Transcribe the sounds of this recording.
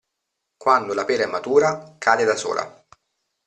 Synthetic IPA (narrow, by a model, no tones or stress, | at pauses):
kwand̪olapɛːɾɛmːat̪uːɾakʰaːd̪ed̪aso̰ːlʔa̰